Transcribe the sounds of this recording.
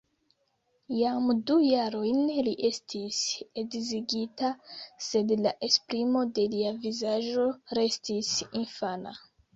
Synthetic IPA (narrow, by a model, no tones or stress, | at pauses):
jamdujaɾo̞jnliʔe̞stʰise̞ɡziɡitase̞dlaʔe̞spɾimo̞de̞liavizaʒo̞ɾe̞stisinfana̰